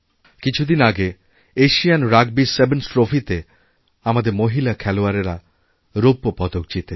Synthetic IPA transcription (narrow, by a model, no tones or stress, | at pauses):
kit͡ʃʰud̪inaɡe | eʃijanɾaɡ̚bisebensʈɾofʰit̪e | amad̪eɾmoɦilakʰɛloaɾeɾa | ɾopːopɔd̪ok̚t͡ʃit̪e